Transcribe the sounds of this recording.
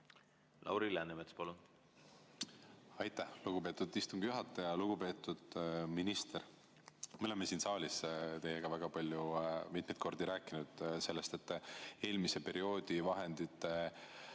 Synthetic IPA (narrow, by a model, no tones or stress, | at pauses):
lʔɑ̰wɾilænemet̪spɑlun | ɑjt̪ːˑæhluɡ̥upe̞ːt̪ud̪ist̪uŋɡ̥ijuɦɑt̪ˑːɑjɑluɡ̥upe̞ːt̪ːˑud̪̥minist̪e̞ɾ | meolemːesiːnsɑːlʲist̪e̞je̞ɡ̥ɑvæɡ̥ɑpɑlʲjumit̪̚ˑmejt̪ko̞rd̪iɾæːkːˑinud̪̥se̞lːe̞st̪e̞t̪ːe̞ːlmise̞pe̞ɾio̞ːd̪̥ivɑɦe̞nd̪̥it̪ːˑe